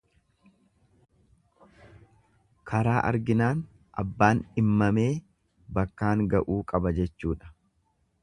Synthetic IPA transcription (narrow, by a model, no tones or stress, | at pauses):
kʰɐɾaːʔɐ̰ɾɡɪnaːn | ʔɐ̰bːaːnɪmːɐme̞ː | bɐkːaːŋɡɐʔuːkʼɐbɐd͡ʒɛt͡ʃːuːᶑɐ̥